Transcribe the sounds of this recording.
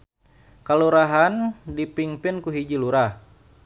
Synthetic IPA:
kaluɾaɦandipiŋpɪnkuɦid͡ʒiluɾah

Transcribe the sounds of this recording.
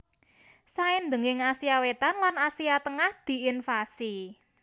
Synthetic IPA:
saɪnd̪əŋɪŋasiawet̪anlanasiat̪əŋahd̪̥i̤infasi

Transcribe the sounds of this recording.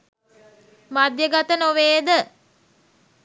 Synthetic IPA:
mad̪jəɡat̪ənoʋeːd̪ə

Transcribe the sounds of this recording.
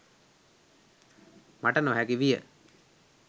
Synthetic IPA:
maʈənoɦækiʋijə̰

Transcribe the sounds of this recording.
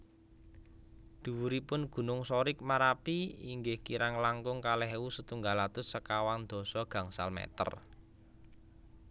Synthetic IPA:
d̪̥ṳwuɾipʊnɡ̥ṳnʊŋsɔɾɪk̚maɾapiiŋɡɪhkiɾaŋlaŋɡʊŋkalɛɦwusət̪uŋɡalat̪ʊsəkawand̪̥ɔ̤sɔɡ̥a̤ŋsa̰lmɛ̰t̪ə̰r

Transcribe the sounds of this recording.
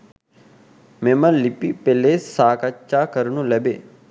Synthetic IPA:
memɐlipipelesaːkat͡ʃːaːkəɾnũlɛbe

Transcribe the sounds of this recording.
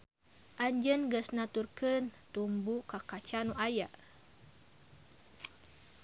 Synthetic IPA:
ʔaɲd͡ʒənɡəsnat̪urkənt̪umbukakat͡ʃanuʔaja

